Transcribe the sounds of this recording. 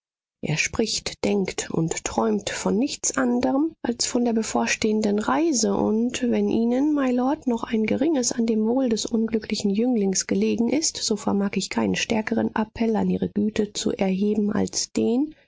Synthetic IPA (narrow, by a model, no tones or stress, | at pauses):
ʔḛːɐʃpʁ̥ɪçtd̥ɛŋktʰʊ̰ntːʁ̥ɔʏmtfɔnːɪçt͡sʔandəʁəmʔalsfɔndeːɐbəfoːɐʃteːəndənʁaɪzəʔʊ̰ntvɛnʔiːnənmaɪlɔɐtnɔχʔaɪnɡəʁɪŋəsandeːmvoːldɛsʔʊnɡlʏklɪçn̩jʏŋlɪŋsɡ̥əleːɡŋ̩ʔɪstz̥oːfɛɐmaːkɪçkʰaɪnənʃtɛɐkəʁənʔa̰pʰɛlanʔiːʁ̞əɡyːtʰət͡sṵʔɛɐɦeːbm̩a̰lsd̥eːn